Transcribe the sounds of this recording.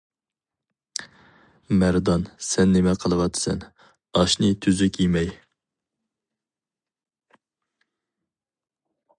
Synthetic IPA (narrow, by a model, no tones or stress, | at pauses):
mæɾd̪ɑnsɛnːemɛqʰəlˠɨwɑt̪ʰːɨ̥sɛ̰n | ɑʃnɨt̪ʰyzykʲjimɛj